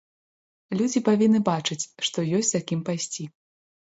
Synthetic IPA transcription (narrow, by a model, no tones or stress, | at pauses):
lʲud͡zʲipavʲinːɨbat͡ʂɨt͡sʲʂt̪ɔjɔsʲt͡sʲzakʲimpajsʲt͡sʲi